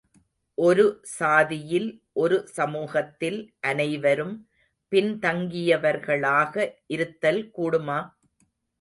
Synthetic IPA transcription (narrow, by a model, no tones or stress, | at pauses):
ʔɔɾɯsaːðɪjɪlʔɔɾɯsɐmuːɣɐt̪ːɪlʔɐnɐɪʋɐɾɯm | pɪnt̪ɐŋɡɪjɐʋɐɾɣɐɭaːɣɐʔɪɾɯt̪ːɐlkuːɽɯmaː